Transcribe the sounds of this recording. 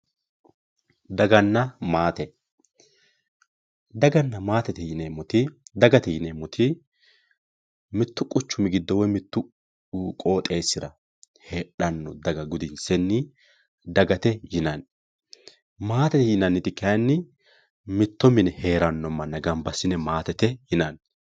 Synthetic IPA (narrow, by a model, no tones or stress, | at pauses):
d̪ɐɡɐnːɐmaːt̪ɛ | d̪ɐɡɐnːɐmaːt̪ɛt̪ɛjɪnemɔt̪ɪd̪ɐɡɐt̪ɛjɪnemɔt̪ʰɪ | mɪt̪ːʊkʼʊt͡ʃːʊmɪɡɪd̪ːɔwɔjmɪt̪ːʊ | kʼo̞ːt̪ʼe̞ːsːɪɾɐ | heːᶑɐnːɔd̪ɐɡɐɡʊd̪ɪnsɛnːɪ | d̪ɐɡɐt̪ɛjɪnɐn | maːt̪ɛt̪ɛjɪnɐnːɪt̪ɪkɐnːɪ | mɪt̪ːɔmɪnɛhe̞ːɾɐnːɔmɐnːɐɡɐmbɐsːɪnɛmaːt̪ɛt̪ɛjɪnɐn